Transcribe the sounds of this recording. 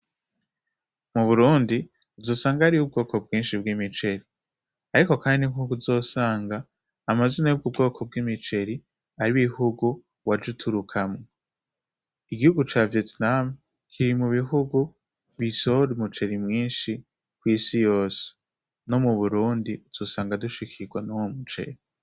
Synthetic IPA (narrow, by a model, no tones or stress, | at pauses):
muβuɾuːndi | uvzo̞ːsaːŋɡahɾiub̚ɡo̞ːko̞b̚ɡiːnʃibɡimit͡ʃe̞ɾi | aɾiko̞kaːninihuuɡuzo̞ːsaːŋɡaː | mazinajob̚ɡubɡo̞ːkʰo̞b̚ɡimit͡ʃe̞ɾi | aɾiwihuɡu | wad͡ʒutʰuɾukʰamŋo | iɡihuɡut͡ʃaːvietnam | kʰiɾimuβiɦuɡu | βisoɾumut͡ʃe̞ɾimŋiːnʃi | kwiːsijo̞ːse̥ | no̞muβuɾuːndiuz̥o̞ːsaːŋɡaduʃikʰiɡwanowomut͡ʃe̞̰ɾi